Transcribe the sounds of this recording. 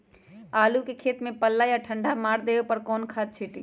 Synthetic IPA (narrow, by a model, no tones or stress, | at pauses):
aːlukekʰeːt̪mẽpəlːajaʈʰəɳɖʱamaːɾd̪eepəɾkɔːnkʰad̪̚t͡ʃʰiʈi